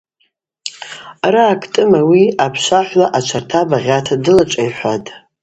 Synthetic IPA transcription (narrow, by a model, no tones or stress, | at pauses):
araːkʰʼtʼɨmawiapʰʃʷaħʷlaʔat͡ʃʷʰartʰabaʁʲatʰadɨlat͡ʃʷʼajħʷatʼ